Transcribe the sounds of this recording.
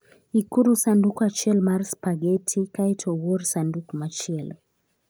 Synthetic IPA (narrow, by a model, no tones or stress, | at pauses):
ikuɾusandukat͡ʃɛlmaɾspaɡɛtʰikajtʰɔwɔɾsandukmat͡ʃɛl